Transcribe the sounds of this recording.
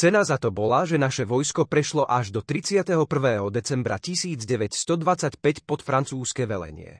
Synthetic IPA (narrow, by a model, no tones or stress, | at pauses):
t͡sɛnazat̪ɔbɔlaʒɛnaʃɛʋɔjskɔpɾɛʃlɔʔaʒd̪ɔt̪ɾit͡sɪat̪ɛɦɔpr̩ʋɛːɦɔd̪ɛt͡sɛmbɾa̰cisiːd͡zɟɛʋɛcst̪ɔd̪ʋat͡sacpɛcpɔt̪fɾant͡suːskɛʋɛlɛ̰ɲɪɛ̰